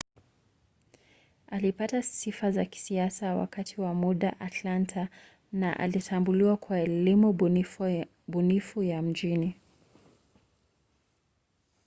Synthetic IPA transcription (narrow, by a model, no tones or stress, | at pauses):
alipatasifazaki̥siasawa̰katʰiwamuɗaʔatlantʰa | naʔa̰litʰambuliwakwaɛlimu | ɓunifujam̩d͡ʒini